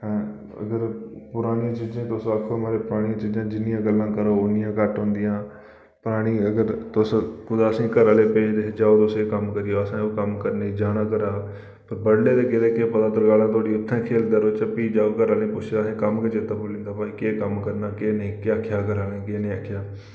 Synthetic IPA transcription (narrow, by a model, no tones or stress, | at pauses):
ɦɛ̃ː | ə̰ɡəɾpʊɾaːɽiãːt͡ʃiːd͡ʒãːt̪ʊsakʰːoːmaːɾeːpʊɾaːɽ̃iãːt͡ʃiːd͡ʒãːd͡ʒɪnijãːɡəlːãːkəɾoːʊnɪjãːkəʈɦõːnd̪ɪjãː | pʊɾaːɽ̃iːəɡəɾt̪ʊskʊd̪aəsĩːkəɾaːleːpeːd͡ʒd̪eːd͡ʒaːoːt̪ʊseːkəmkəɾɪjoːəsãːoːkəmkəɾneːd͡ʒaːɽ̃ãːkəɾaː | pəɾbəɽleːd̪eːkɪt̪eːkeːpət̪ãːt̪əɾɡaːlãːt̪ʰʊaːɽiːʊt̪ʰːãːkʰeːld̪aːɾoːt͡ʃəpiːd͡ʒaːoːkəɾaːlẽːpʊt͡ʃʰd̪aːsẽːkəmkət͡ʃd͡ʒet̪ːaːpoːlẽːnd̪aːpaːiːkeːkəmkəɾnaːkeːnẽːkeaːkʰːjaːkəɾaːnẽːkeːnẽːaːkʰːjaː